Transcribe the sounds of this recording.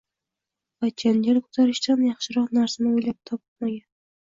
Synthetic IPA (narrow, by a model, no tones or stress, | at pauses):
vat͡ʃʰand͡ʒaɾkʰʊ̥zaɾɪʃt̪anjɑχʃɪɾɒqnaɾsanɪojlap̚t̪ʰɒpɨmaɡʲan